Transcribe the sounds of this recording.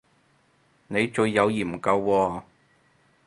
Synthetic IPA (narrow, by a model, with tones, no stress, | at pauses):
ne˨˧jt͡ʃɵ˨˧ɥjːɐ˨˧wjiː˨˩m̩˨˩kɐ˧wːɔː˧